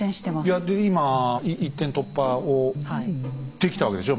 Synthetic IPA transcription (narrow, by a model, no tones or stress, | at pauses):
ẽɕi̥t̪emajad̪eimaiʔit̪ːẽnt̪o̞pːaohat̪ːe̞kʲi̥t̪aβake̞d̪eɕo